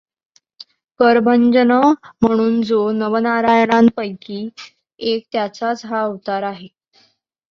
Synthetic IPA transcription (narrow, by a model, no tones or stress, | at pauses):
kəɾbʱəɲd͡ʑənəm̤əɽ̃uːnd͡zonəʋənaɾajɳ̃anpəjkiː | ek̚t̪jat͡sat͡sɦaəʋt̪aɾaɦe